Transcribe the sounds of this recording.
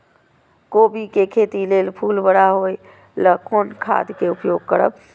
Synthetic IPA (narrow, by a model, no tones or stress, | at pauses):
kobikekʰet̪ilelpʰulbəɽaɦoj | ləkonkʰa̰d̪keupjoɡ̚kəɾə̰b